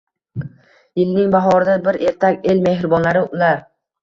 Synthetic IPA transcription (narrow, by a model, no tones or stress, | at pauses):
jɪlnɪŋbaɦɒɾɪd̪abɪɾʔe̞ɾt̪ʰakʲe̞lme̞hɾɪbɒnlaɾɪʊlaɾ